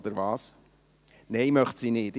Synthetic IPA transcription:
d̥̪əɾvɑːs | nɛɪmœχtsiːnɪːt

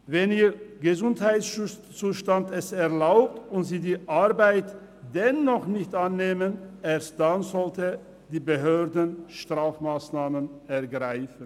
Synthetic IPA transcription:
vɛniːʁɡəzʊnthaɪtsʃ | t͡suːʃtantɛsɛɐlaʊp̚tʊntziːdiːʔaʁbaɪt | d̥ɛnːɔχnɪçtʔanːeːmənʔeːɐst̚d̥anzɔltə | d̥iːbəɦøːʁdənʃtʁ̥aːfmaːsnaːmənɛɐɡʁaɪfən̩

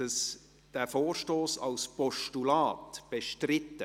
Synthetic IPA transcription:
əs | d̥æfoːrʃtoːsɑlspɔʃtulaːtb̥eʃtrɪtːə

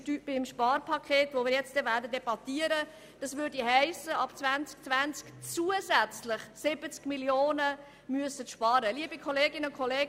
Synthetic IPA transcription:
tyb̥ɪmʃpɑːrpʰɑkʰeːtʋomɪːɾjɛt͡std̥ɛvæːrdədɛbɑtiəɾə | d̥ɑsʋʏdiɦæɪsəɑpt͡svænt͡sk̚t͡svænt͡skt͡suːəsæt͡slɪχsɪb̥ət͡skmiljoːnə | myəsətʃpɑːɾəliəbikʰɔleːɡɪnəʊnkʰɔleːɡ

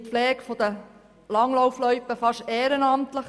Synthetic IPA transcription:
pflɛːkfɔd̪ə | lɑŋlɔʊflœʏpəfɑʃeːɾənɑmt̪ləχ

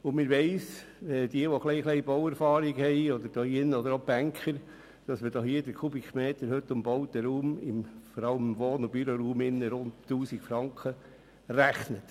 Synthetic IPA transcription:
ʊnmɪɾʋɛɪs | ʋɛdiəʋɔχlɛɪχlɛɪb̥ɔwɛɾfɑːɾiɡhɛɪɔd̪əɾd̥oːɪnːəɔd̪əɾob̥æŋkʰχəɾ | d̥ɑsmədɑːhiːədəɾkʰubikmeːt̪əɾhɵt̪ːʊmbɔwt̪əɾuːmɪmfɔɾɑləmʋoːnʊb̥yɾoɾuːmɪnːəɾʊnttːuːsikfɾɑŋkʰχə | ræχnət

